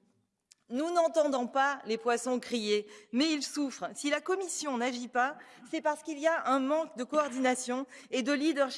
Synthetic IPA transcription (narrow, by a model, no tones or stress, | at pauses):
nunɑ̃t̪ɑ̃d̪ɔ̃palepwasɔ̃kχijemɛilsufχsilakɔmisjɔ̃naʒipasɛpaʁsə̥kiliaʔɛ̃mɑ̃kd̪əkɔːʁd̪inasjɔ̃ed̪əlid̪œʁʃ